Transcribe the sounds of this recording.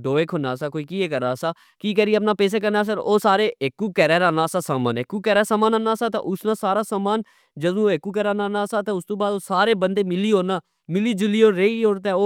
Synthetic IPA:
ɖoːekɦoːnaːsaːkoːiːkiːeːkəɾaːsaː | kiːkɛːɾiəpnaːpɛːs̬eːkəɾnaːs̬əɾoːsaːɾeːɪkːuːkɛːɾɛːɾaːnaːsaːsaːma̰ːnekːuːkɛːɾaːsaːmaːnaːnaːsaːt̪ã̰ːʔʊsnãːsaːɾaːsaːmaːn | d͡ʒəd̪ũoːekːuːkɛːɾaːnaːnaːsaːt̪ãːʊst̪õːbaːd̪oːsaːɾeːbənd̪eːmɪliːɦoːnaː | mɪliːd͡ʒɪliːoːɾeioːɽt̪ɛːoː

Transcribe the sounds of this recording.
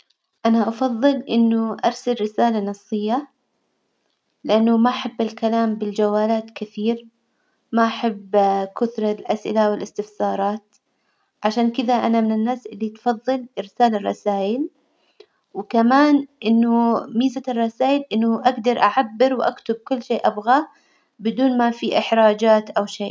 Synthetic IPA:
ʔanaʔɑfɑðˤːɨlʔɪnːʊʔɑɾˤsalɾɪsaːlanɨsˤːɨjːa | lɪʔanːʊmaʔaħabːalkalaːmbɪld͡ʒawːaːlaːt̪kɪθiːɾ | maʔaħabːkʊθɾˤɑlʔasʔɪ̰lawɪlʔɪst̪ɪfsɑːɾˤɑːt̪ | ʕaʃaːnkɪd̪aʔanamɪnɪnːaːsʔɪlːit̪fɑðˤːɨlʔɪɾsaːlɪrˤːɑ̰saːʔɪl | wkamaːnʔɪnːʊmiːzarˤːɑsaːʔɪlʔɪnːʊʔaɡd̪ɑɾˤʔaʕabːɪɾwʔakt̪ʊb̚kʊlːʃeːʔabɣa | bɪd̪uːnmafiʔɪħɾˤɑːd͡ʒaːt̪ʔawʃeː

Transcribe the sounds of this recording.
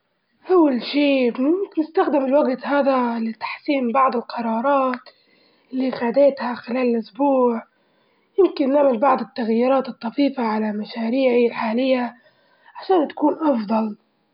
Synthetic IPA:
ʔawːalʃiːbnɪst̪axd̪ɪmɪlwaɡt̪haːd̪alɪt̪ḁħsiːmbɑʕd̪ˤɪlqʰɑɾˤɑːɾˤɑːt̪ | ʔɪlːixad̪eːt̪haxɪlaːlɪlʔʊsbuːʕ | jɪmkɪnːaʕmalbɑʕd̪ˤɪt̪ːaɣjiːɾɑːt̪ɨt̪ˤːɑfiːfaʕalamaʃaːɾiːʕilħaːlɪjːa | ʕaʃaːnt̪ḁkuːnʔɑfd̪ˤɑl

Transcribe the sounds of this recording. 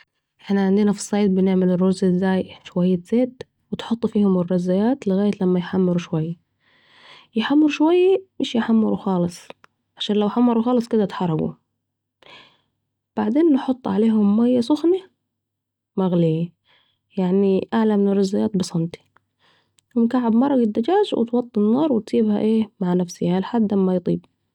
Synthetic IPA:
ʔɪħnaʕɪnd̪ɪnafi̥sˤːɑjd̪̚bɪnɪʕmɪlɪrːʊzɪzːaːjʃwajːaz̥eːd̪ | wɪt̪ħʊt̪ˤːfiːhʊmɪrːɑzːajaːt̪lɪɣaːjat̪lamːajħamːɪɾuʃwajːa | jɪħamːɪɾuʃwajːamɪʃjɪħamːɪɾuxɑːlɨsˤ | ʕaʃaːnlawħamːɑɾuxɑːlɨsˤkɪd̪at̪ħɑrˤːɑɡṵ | b̥aʕd̪eːnːħʊt̪ˤːʕaleːɦʊmːajːasʊxni | maɣli | jaʕniʔaʕlamnɑɾˤɪzːajaːt̪̚bɨsˤɑnt̪i̥ | wɪnkaʕːabmɑɾˤːɑɡɪd̪ːad͡ʒaːd͡ʒwɪ̰t̪wɑt̪ˤːɪnːɑːɾˤwɪt̪siːbhaʔeːmaʕnafsɪalħad̪ːʔamːajt̪ˤiːb̚

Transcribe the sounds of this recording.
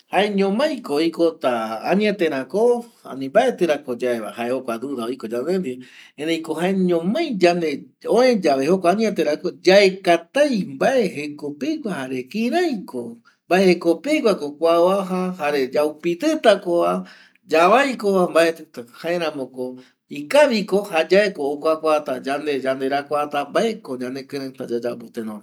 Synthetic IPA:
haeɲõmãjkojkot̪aãɲĩat̪ẽɾãkoa̰mĩmbaʔet̪ɨɾakod͡ʒaeβa̰haehokʷad̪uɾaojkod͡ʒanend̪iẽnejko̞ɦaẽɲõmãj̃d͡ʒane | õẽd͡ʒaβehokʷaaɲĩat̪eɾakod͡ʒaekat̪ajmbaʔeɦekopekʷahaɾe̞kĩɾajko | mbaehekopekʷakokʷaaɦahaɾe̞d͡ʒawpit̪ɨt̪akoa | d͡ʒaβajkoβambaet̪ɨt̪ahaẽɾãmõko | ikaʋikohad͡ʒaekoːkʷakʷat̪ad͡ʒand̪ed͡ʒand̪e̞ɾakʷat̪ambaʔekod͡ʒãne̞kɨ̃ɾẽt̪ad͡ʒad͡ʒabot̪ẽnõne

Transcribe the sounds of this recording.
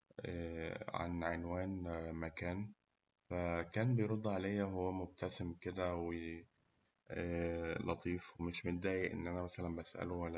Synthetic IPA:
ʔæʕa̰nʕenwæːnmækæːn | fækæːnbejɾod̪ˤːʕalæjːæɦowːæmoɡ̚t̪æsemked̪æwe | lɑt̪ˤiːfwemeʃmet̪̚d̪æːjiʔḛnːʔænæmæsælænbæsʔæ̰lowælːæ

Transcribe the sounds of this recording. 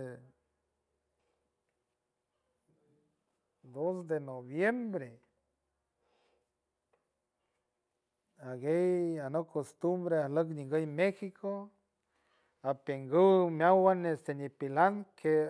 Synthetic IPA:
d̪osd̪enoβjembɾe | aɡejanokost̪umbɾeahləkniŋɡəjmexikʰo | apjeŋɡuwmjawanːest̪enipilaŋkʰe

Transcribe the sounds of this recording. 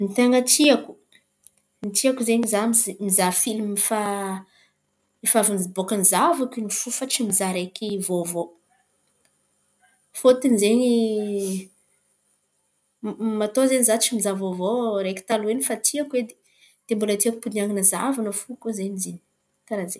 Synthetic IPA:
nit̪aŋɡatiaku̥ | nit̪iakuzeɲizamzmizafilimmifa | mifavinizibokanizavakʲinifufat͡ʃimizaɾekʲivovo | fot̪inzeɲi | mat̪ozenizat͡ʃimizavovoɾeki̥t̪aluenifat̪iakwed̪e | d̪̥embulət̪iaku̥puniaŋinəzavanəfukuzeɲzini̥ | kaɾazeɲ

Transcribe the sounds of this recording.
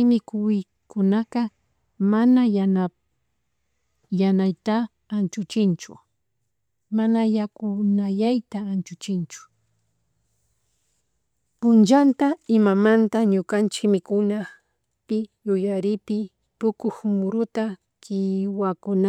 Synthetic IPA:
jmɪkʊj | kʊnakɑ | manaa | janajt̪aː | nt͡ʃʊt͡ʃɪnt͡ʃʊ̰ | manajakʊnaʎajt̪aːnt͡ʃʊt͡ʃɪnt͡ʃʊ̥ | pʊnt͡ʃant̪aɪmamant̪aɲʊkant͡ʃɪkmɪkʊna | pɪjʊjaɾɪpɪ | t̪ʊkʊxmʊɾʊt̪a | kɪwakʊna

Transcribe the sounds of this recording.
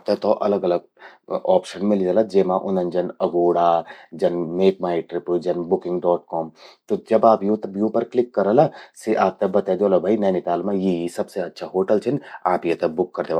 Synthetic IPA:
p̚t̪et̪oʔɐ̰ləɡɐləɡ | ɔːpʃənmɪlid͡ʒalad͡ʒeːmãʔʊnɐ̃nd͡ʒɐnɐɡoːɽaːd͡ʒɐnmeːkmaːiʈɾɪpud͡ʒɐnbʊkɪ̃ŋɡɖɔːʈkɔːmt̪od͡ʒɐbaːpjũt̪ɐbjũpɐɾklɪkːɐɾəlaseʔaːp̚t̪ɐbɐt̪ad̪eoːlabʱainɛːnɪt̪aːlmãjeisɐbseɐtːʃʰaɦoːʈəlt͡ʃʰɪnaːpjet̪ɐbʊkːɐɾd̪eːʋa

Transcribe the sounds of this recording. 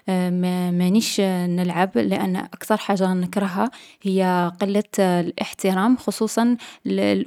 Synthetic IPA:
mæmæniʃnəlʕablɪʔə̰nːʔakt̪ɑɾˤħaʒːanəkɾˤɑɦahəjːæqəlːalʔə̰ħt̪əɾˤɑmxosˤuːsˤɑnl

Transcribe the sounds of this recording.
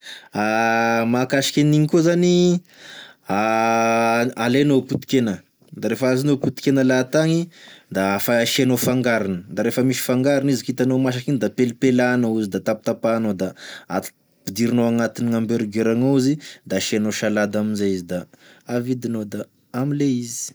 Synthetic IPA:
amakaʃi̥kʲeniɲikuzani | a | alenoput̪i̥kenə | d̪aɾefazinoput̪i̥kenəlat̪aŋid̪aafaʃenofaŋɡaɾanəd̪aɾefəmiʃi̥faŋɡaɾinizikit̪anomaʃ̬akind̪apelipelanəuzid̪at̪ap̚t̪apanod̪aa̰t̪ | pid̪iɾinoaŋat̪iniŋambeɾɡeɾaŋoizid̪aʃenoʃalad̪aminzeizid̪a | avid̪inod̪aː | mileizi̥

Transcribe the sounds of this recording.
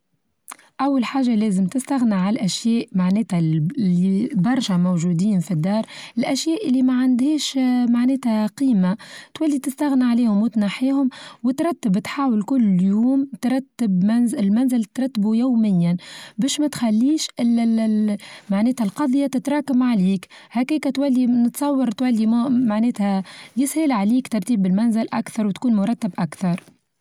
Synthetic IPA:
ʔæwːalħaːʒalæːzəmt̪ɪst̪æɣniʕalʔæʃjɛːʔmaʕnɛːt̪hælːibɑɾˤʃæmowʒuːd̪iːnfid̪ːɑːɾˤɪlʔæʃjɛːʔɪlːimæʕand̪hiːʃmaʕnɛːt̪hæqiːmat̪wælːit̪ɪst̪æɣniʕaliːhʊmwɪt̪naħiːhʊmwɪt̪ɾˤɑt̪ːəbt̪ħaːwɪlkʊlːjuːmt̪ɾˤɑt̪ːɪbnzɪlmænzɪlt̪ɾˤɑt̪ːbujaːmɪjːænbɛːʃmæt̪xælːiːʃʔɪl | maʕneːt̪hælqɑðˤjat̪ɪt̪ɾˤɑːkamʕaliːkhakiːkæt̪wælːinɪt̪sˤɑwːɑɾˤt̪wælːimmaʕneːt̪hæjɪshɪlʕaliːkt̪ɑɾˤt̪iːbɪlmænzɪlʔæ̰kθɑɾˤwt̪kuːnmʊɾˤɑt̪ːɪbʔakθɑɾˤ

